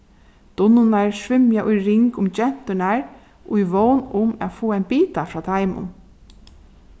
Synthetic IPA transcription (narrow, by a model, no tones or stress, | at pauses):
d̪̥ʊnʊnaɹsʋɪmjaʔʊjɾɪŋkʊmt͡ɕɛn̥t̪ʏnaɹ | ʊjʋownʊmæ̰ðfoːaɪnpiːt̪afɾɑːt̪ʰajmʊ̰n